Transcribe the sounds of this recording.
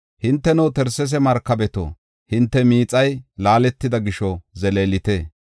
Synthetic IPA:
hɪnt̪ːɛnɔwt̪ɛɾsɛs̬ɛmɐɾkːɐbɛt̪o̰ | hɪnt̪ːɛmiːt͡sʼɐjlaːlɛt̪ːɪd̪ɐɡɪʃɔzɛleːlɪt̪eː

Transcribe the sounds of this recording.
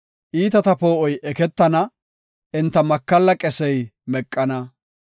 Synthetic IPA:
ʔiːt̪ɐt̪ɐpo̞ːʔɔjʔɛkɛt̪ːɐnɐ | ʔɪnt̪ːɐmɐkːɐlːɐkʼɛsɛjmɛkʼːɐnɐ

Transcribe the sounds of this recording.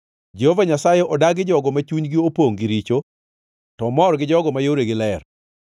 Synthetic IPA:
d͡ʒehovaɲasajeʔɔdaɡɪd͡ʒɔɡɔmat͡ʃuɲɡɪopoŋɡɪɾit͡ʃo | tɔmɔɾɡɪd͡ʒɔɡɔmajoɾeɡɪlɛr

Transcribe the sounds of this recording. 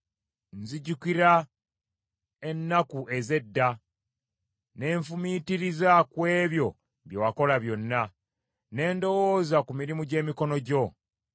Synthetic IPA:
nziɟukiɾa | e̞nːakue̞ze̞dːa | ne̞ːɱfumitiɾizakwe̞ːβjo̞ | βjowako̞laβjo̞nːa | ne̞ːndo̞wo̞ːzakumiɾimuɟe̞ːmiko̞no̞ɟo̞

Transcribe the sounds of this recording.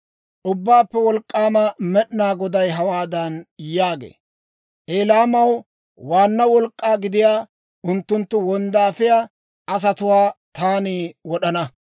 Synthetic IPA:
ʔʊbːaːpːɛwɔlkʼːaːmɐmɛɗnaːɡɔd̪ɐjɦɐwaːd̪ɐnjaːɡḛː | ʔeːlaːmɐw | waːnːɐwɔlkʼːaːɡɪd̪ɪjaː | ʊnt̪ːʊnt̪ːʊwɔnd̪aːfɪjaː | ʔɐs̬ɐt̪ʊwaːt̪aːniwɔɗɐnɐ

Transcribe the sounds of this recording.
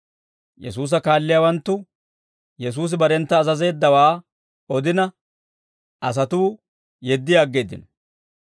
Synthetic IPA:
jɛ̰s̬uːs̬ɐkaːlːɪjawɐnt̪ːʊ | jɛs̬uːs̬ɪbɐɾɛnt̪ːɐːzɐze̞ːd̪ːɐwaː | ɔd̪ɪnɐ | ʔɐs̬ɐt̪uː | jɛd̪ːɪjaːɡːe̞ːd̪ɪ̰nɔ

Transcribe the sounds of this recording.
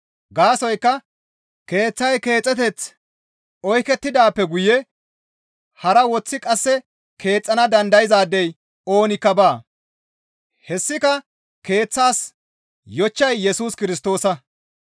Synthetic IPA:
ɡaːsɔjkːɐ | ke̞ːt͡sːɐjke̞ːt͡sʼːɛt̪̬ɛt͡s | ɔjkɛt̪ːɪd̪aːpːɛɡʊjɛ | hɐɾɐwɔt͡sːɪkʼɐsːɛ | kʰe̞ːt͡sʼːɐnɐd̪ɐnd̪ɐjɪzaːd̪ːɛj | o̞ːnɪkːɐbaː | hɛsːɪkɐ | ke̞ːt͡sːaːs | jɔt͡ʃːɐjːɛsuːskɪɾɪst̪o̞ːsɐ

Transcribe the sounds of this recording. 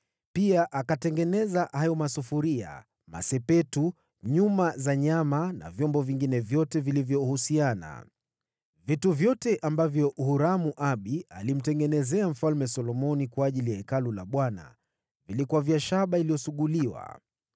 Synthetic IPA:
piaʔakatɛŋɡɛnɛzahajɔmasufuɾia̰ | ma̰sɛpɛtu | ɲumazaɲamana̰vjɔmbɔviŋɡinɛvjɔtɛvilivjɔhusiana̰ | vituvjɔtɛʔambavjɔʔuhuɾamuʔaɓialim̩tɛŋɡɛnɛzɛam̩falmɛsɔlɔmɔnikwaaʄilijaikalulaɓwana̰ | vilikuaviaʃaɓailijɔsuɠuliwa̰

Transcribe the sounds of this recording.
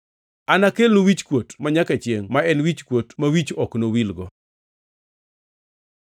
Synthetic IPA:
anakelnowit͡ʃkwotmaɲakat͡ʃjeŋmaɛnwit͡ʃkwotmawit͡ʃɔknowilɡɔ

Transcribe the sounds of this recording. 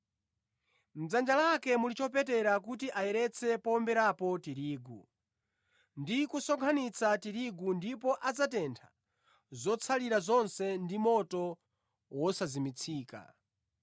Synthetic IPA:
m̩d͡zand͡ʒalakɛmulit͡ʃɔpɛtɛɾak̬utiʔajɛɾɛt͡sʰɛpɔmbɛɾapɔtiɾiːɡu | ndikusɔɡʰanit͡sʰatiɾiɡundipɔʔad͡zatɛntʰḁ | zɔt͡sʰaliɾazɔnsɛndimɔtɔ | wɔsazimit͡sʰiːka̰

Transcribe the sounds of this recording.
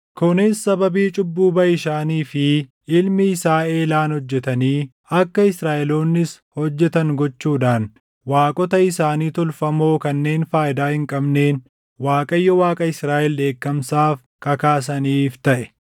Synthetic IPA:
kʰʊnɪsːɐbɐbiːt͡ʃʼʊbːuːbɐɪʃaːniːfɪ | ɪlmɪɪsaːe̞ːlaːnhɔd͡ʒːɛt̪ɐniː | ɐkːɐɪsɾaːʔɛloːnːɪs | hɔd͡ʒːɛt̪ɐŋɡɔt͡ʃːuːᶑaːn | waːkʼɔt̪ɐɪsaːniːt̪ʊlfɐmo̞ːkɐnːe̞ːnfaːjɪd̪aːhɪŋkʼɐbne̞ːn | waːkʼɐjːɔwaːkʼɐɪsɾaːʔɛld̪e̞ːkːɐmsaːf | kɐkaːs̬ɐniːft̪ɐʔɛ̥

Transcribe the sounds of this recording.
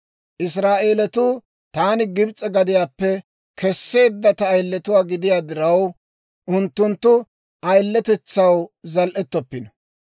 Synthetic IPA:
ʔɪs̬ɾaːʔe̞ːlɛt̪uː | t̪aːnɪɡɪbt͡sʼɛɡɐd̪ɪjaːpːɛ | kʰɛsːe̞ːd̪ːɐt̪ɐːjlːɛt̪ʊwaːɡɪd̪ɪjaːd̪ɪɾɐw | ʔʊnt̪ːʊnt̪ːʊ | ɐjlːɛt̪ɛt͡sːɐwzɐlʔɛt̪ːɔpːɪnɐ

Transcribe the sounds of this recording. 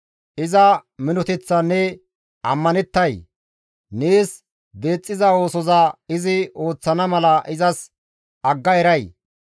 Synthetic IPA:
ʔɪzɐmɪnɔt̪ɛt͡sːɐnːɛ | ɐmːɐnɛt̪ːɐj | neːs | d̪e̞ːt͡sʼːɪzɐo̞ːsɔzɐɪzɪo̞ːt͡sːɐnɐmɐlɐʔɪzɐs | ʔɐɡːɐɛɾɐj

